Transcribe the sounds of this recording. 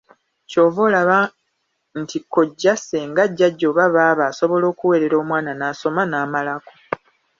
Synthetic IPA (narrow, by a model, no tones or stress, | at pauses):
co̞ːvoːlaβa | ntʰikːo̞ɟːase̞ːŋɡaɟːaɟːo̞ːβaβaːβaːso̞βo̞lo̞ːkuwe̞ːɾe̞ɾo̞ːmwaːnanaːso̞manaːmalako